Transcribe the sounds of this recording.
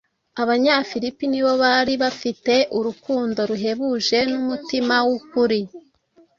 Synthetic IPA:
aβaɲafiɾipiniβo̞βaɾiβafite̞ʔuɾukuːndo̞ɾuɦe̞βuʒe̞numutimawukuɾi

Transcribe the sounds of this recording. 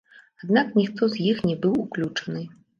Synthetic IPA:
ad̪naknʲixt̪ɔzjixnʲɛbɨwuklʲut͡ʂɐ̥nɨ

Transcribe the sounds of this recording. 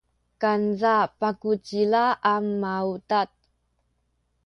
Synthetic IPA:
kanzapakut͡ɕilaʔːmːautat̚

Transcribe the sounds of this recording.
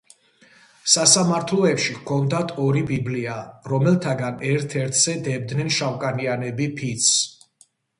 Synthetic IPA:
sasamaɾt̪ʰlɔɛpʃikʰɔnd̪at̪ʰɔɾibibliaɾɔmɛlˠt̪ʰaɡanɛɾt̪ʰɛɾt̪ʰz̥ɛd̪ɛb̚d̪nɛnʃawkʼanianɛbipʰit̪sʰs

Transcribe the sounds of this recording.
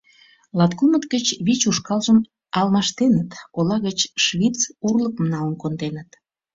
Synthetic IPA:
lɑt̪kumət̪ɡət͡ɕβit͡ɕuʃkɑlʒəm | ɑlmɑʃt̪enət̪olɑɣət͡ɕʃβit͡surləkəmnɑlənkond̪enət̪

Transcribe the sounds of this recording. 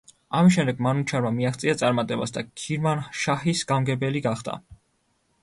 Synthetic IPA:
amisʃ̬ɛmd̪ɛɡmanut͡ʃʰaɾmamiaχt̪sʼiat̪sʼaɾmat̪ʼɛba̰sd̪akʰiɾmanʃahisɡ̥amɡɛbɛliɡaχd̪a̰

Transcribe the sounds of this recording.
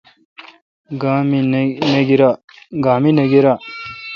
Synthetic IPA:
ɡmneɡiɾa | ɡaːmineɡiɾaː

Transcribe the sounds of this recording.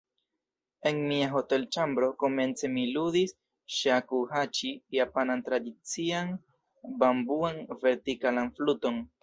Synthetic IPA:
e̞nmiaɦo̞te̞lt͡ʃambɾo̞ko̞me̞nt͡se̞miludis | ʃakuhat͡ʃijapanantɾadit͡sian | bambuanve̞ɾtikalanfluto̞n

